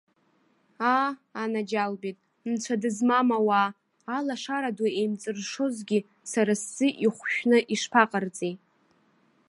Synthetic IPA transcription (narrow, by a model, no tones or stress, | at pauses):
aanad͡ʒalbetʼ | nt͡ɕʷʰadɨzmamawaː | laʂaɾaduejmt͡sʼɨrʂo̞zɡʲi | saɾast͡sɨʔiχʷʃᶣnɨʔiʂpʰaqʼərt͡sʼe